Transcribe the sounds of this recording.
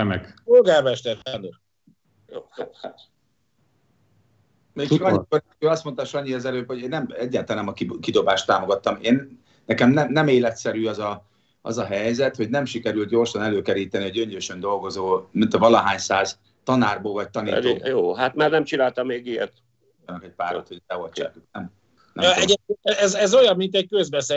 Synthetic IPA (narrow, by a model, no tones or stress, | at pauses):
mɛkolɡarmɛʃt̪ɛt̪aːnd̪o | joːaːht̪ | meːkɒkɒɲːor | øːɒst̪mo̞nt̪ɑʃɒɲːiɛzɛløːphoɟeːnːɛmɛɟːaːt̪anɛmɒkikid̪o̞baːʃt̪ːaːmo̞ɡɒt̪ːɒmeːnː | ɛkɛmnɛmnɛmeːlɛt̪sɛɾyːɒzɒ | ʔɒ̰zɒɦɛjzɛt̪ho̞ɟnɛmʃikɛɾylt̪̚ɟo̞ːrʃɒnɛløːkɛɾiːt̪ɛnioɟøɲd͡ʒøːʃønd̪o̞lɡo̞zoːmint̪ɒvɒlɒɦaːɲsaːz | t̪ɒnaːrboːlvɒc̚t̪ɒniioːjoːɦat̪maːrnɛmt͡ʃinaːlt̪ɒmːeːɡijɛ̰t̪ | ɒnːɒkɛc̚paːɾot̪hot̪ɛolt͡ʃa̰ːknɛm | ɛ̰mɛeeɛzɛzojɒmːint̪ɛc̚køzbɛse